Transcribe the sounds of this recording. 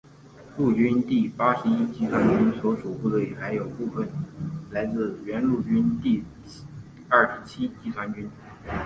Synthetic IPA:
lu˥˩t͡ɕy˥nt̪i˥˩pa˥ʂɻ̩˧˥i˥t͡ɕi˥t͡sʰwa˥nt͡ɕy˥nswɔ˧˥ʂu˨˩pu˥˩d̪ə˩˦i˨˩xa˧˥ɪjo˨˩ʊpu˥˩fə˨˩nla˧˥ɪt͡sɹ̩˥˩ɥɛ˧˥nlu˥˩t͡ɕy˥nt̪i˥˩ | ɐ˞˥˩ʂɻ̩˧˥t͡ɕʰi˥t͡ɕi˧˥˩sʰwa˥nt͡ɕy˥n

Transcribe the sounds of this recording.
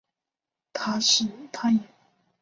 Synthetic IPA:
t̪ʰa˥ʂɻ̩˥˩t̪ʰa˥jɛ˨˩˦

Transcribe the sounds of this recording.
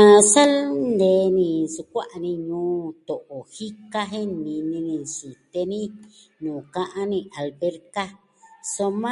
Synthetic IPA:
ã˧sa˦lnd̪eː˨˦nĩ˧su˧kʷa˦ʔa˧nĩ˧ɲũː˦t̪o˨ʔo˨hi˦ka˦ɦe˦nĩ˧nĩ˧nĩ˧si˨t̪e˧nĩ˦ | nũː˨kã˧ʔã˦nĩ˧ʔa˨lβe˦ɾka˦ | so˧mã˦

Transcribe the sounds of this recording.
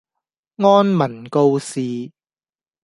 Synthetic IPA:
ŋɔː˥nmɐ˨˩nko˧wsiː˨

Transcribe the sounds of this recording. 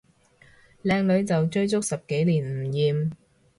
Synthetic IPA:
lɛː˧ŋlɵ˨˧ɥt͡sɐ˨wt͡ʃɵ˥ɥt͡sʊ˥k̚sɐ˨p̚ke˨˥jliː˨˩nm̩˨˩jiː˨˩m

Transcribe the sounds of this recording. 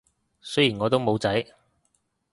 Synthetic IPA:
sɵ˥jiː˨˩nŋɔː˨˧t̪̬o˥wmo˨˧wt͡sɐ˨˥j

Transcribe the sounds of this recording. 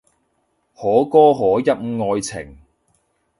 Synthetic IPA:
hɔː˨˥kɔː˥ɦɔː˨˥jɐ˥t̚m̩˧ŋɔː˧jt͡sʰɪ̰˨˩ŋ

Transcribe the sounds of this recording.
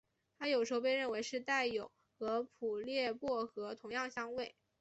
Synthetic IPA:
t̪ʰa˥jo˨˩ʊʂɻ̩˧˥xo˧ʊpe˧ɪɻə˥˩nwe˧˥ɪʂɻ̩˥˧t̪a˥˩ɪjo˨˩˦ʊ | xɤ˧˥pʰu˨˩ljɛ˥˧pwɔ˥˩xɤ˧˥t̪ʰʊ˧˥ŋjɑ˥˩ŋɕjɑ˥ŋwe˥˩ɪ

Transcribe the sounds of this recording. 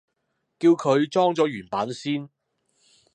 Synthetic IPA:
kiː˧wkʰɵ˨˧ɥt͡sɔː˥ŋt͡sɔː˨˥jyː˨˩npaː˨˥nsiː˥n

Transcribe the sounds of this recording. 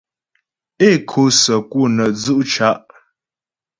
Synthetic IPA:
e˦˨kʰo˨˦sə˨ku˦˨nə˨d͡zu˦ʔt͡ʃa˦ʔ

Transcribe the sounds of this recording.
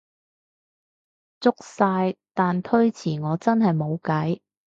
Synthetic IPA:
t͡sʊ˥k̚saː˧jt̪aː˨nt̪ʰɵ˥ɥt͡sʰiː˨˩ŋɔː˨˧t͡sɐ˥nɦɐ˨jmo˨˧wkɐ˨˥j

